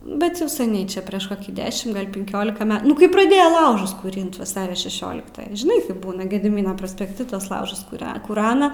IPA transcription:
ˈbʲɛt jɛʊ sʲɛˈnʲɛɪ ˈt͡ʃʲɛ pʲrʲiɛʃ ˈkoːkʲiː ˈdʲæːʃʲɪm ɡɐlʲ pʲɪŋʲˈkʲoːlʲɪkɐ ˈmʲɛ ˈnʊ kɐɪ prɐˈdʲeːjoː ˈlˠɐʊʒʊs kuːˈrʲɪnt ʋɐˈsɑːrʲoː ʃʲɛˈʃʲoːlʲɪktɑː ʒʲɪˈnɐɪ kɐɪp ˈbuːnɐ ɡʲɛdʲɪˈmʲiːnoː proːsʲpʲɛkˈtʲɪ tuɔs ˈlˠɐʊʒʊs kʊˈrʲɛ kʊˈrɑːnɐ

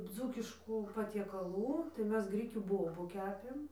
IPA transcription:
ˈd͡zuːkʲɪʃkuː pɐtʲiɛkɐˈlˠuː tɐɪ ˈmʲɛs ˈɡrʲɪkʲuː ˈboːbʊ ˈkʲæːpʲeːm

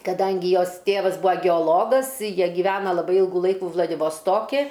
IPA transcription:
kɐˈdɐŋʲɡʲɪ ˈjoːs ˈtʲeːʋɐs ˈbʊɐ ɡʲɛoːˈlˠoːɡɐs ˈjiɛ ɡʲiːˈʋʲæːnɐ lˠɐˈbɐɪ ˈiːlˠɡʊ ˈlˠɐɪkʊ ʋlˠɐdʲɪʋoːsˈtoːkʲɪ

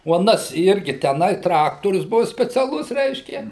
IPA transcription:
oː ɐˈnɐs ˈɪrʲɡʲɪ tʲæːˈnɐɪ ˈtrɑːktoːrʲʊs ˈbuɔ sʲpʲɛt͡sʲɛˈlˠʊs ˈrʲɛɪʃʲkʲɛ

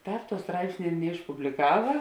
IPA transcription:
ˈtɑːp tuɔ ˈstrɐɪpʲsʲnʲeː ɪr nʲɛɪʃpʊbʲlʲɪˈkɑːʋɐ

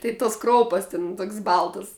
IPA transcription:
ˈtɐɪ toːs ˈkroːʊpɐs tʲɪn ˈtoːkʲsʲ ˈbɐlˠtɐs

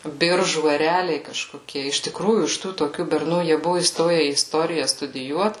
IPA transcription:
ˈbʲɪrʒuː ɛˈrʲæːlʲɛɪ kɐʃkoːˈkʲiɛ ɪʃ tʲɪˈkruːjuː ɪʃ ˈtuː toːˈkʲuː bʲɛrˈnuː jiɛ ˈbʊʋʊ iːˈstoːjɛ iː ɪˈstoːrʲɪjɛ stʊdʲɪˈjuɔt

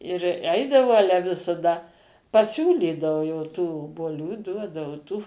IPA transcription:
ɪr ˈɛɪdɐʋɐʊ ˈɑːlʲɛ ʋʲɪsɐˈdɐ pɐˈsʲuːlʲiːdɐʋʊ jɛʊ tuː oːbuɔˈlʲuː ˈduɔdɐʋʊ tuː

